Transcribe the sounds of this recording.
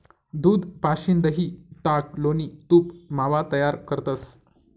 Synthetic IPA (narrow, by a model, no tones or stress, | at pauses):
d̪uːd̪paɕind̪əɦiːt̪aʈ̚loniːt̪uːpmaʋat̪əjaɾkəɾt̪əs